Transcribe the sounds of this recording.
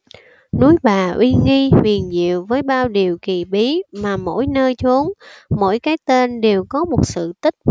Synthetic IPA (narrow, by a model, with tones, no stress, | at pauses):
nu˨˦jɓaː˨˩ʔwʔi˧ŋi˧hi˨˩ənzḭ˧˨əwvəː˨˦jɓaː˧wɗi˨˩əwki˨˩ɓi˨˦maː˨˩mo̰˧˥˨jnəː˧jt͡ɕu˨˦ənmo̰˧˥jkaː˨˦jt̪e˧nɗe˨˩wkɔ˨˦mo˨˩t̚sɨ̰˧˨t̪ï˦˥k̚